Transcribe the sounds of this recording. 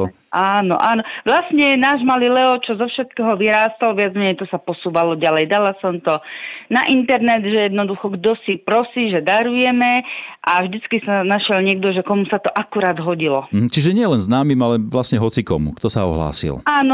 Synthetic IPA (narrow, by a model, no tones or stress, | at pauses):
aːnɔ̰ʔaːnɔʋlasɲɛnaːʒmalilɛɔt͡ʃɔzɔfʃɛt̪̚kɛːɦɔʋiɾaːst̪alʋɪad͡zmɛɲɛjt̪ɔsapɔsuːʋalɔɟalɛjd̪alasɔmt̪ɔnaʔint̪ɛɾnɛd̪ʒɛjɛd̪nɔd̪uxɔɡd̪ɔsipɾɔsiːʒɛd̪aɾujɛmɛʔavʒd̪it͡skisanaʃɪɛlɲɪɛɡ̚d̪ɔʒɛkɔmusat̪ɔʔakuɾaːd̪ɦɔɟilɔm̩ɦ̩t͡ʃiʒɛɲɪɛlɛnznaːmimalɛʋlasɲɛɦɔt͡sikɔ̰mṵkt̪ɔsaɔ̰ɦla̰ːsḭlaːnɔ